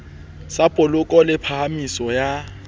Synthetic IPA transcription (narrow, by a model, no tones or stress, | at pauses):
sapʼʊlʊkʼɔlɪpʰahamisɔja